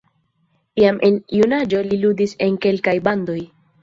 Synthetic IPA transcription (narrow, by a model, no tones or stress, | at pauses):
iamʔe̞njunad͡ʒo̞liludise̞nke̞lkajband̪o̞j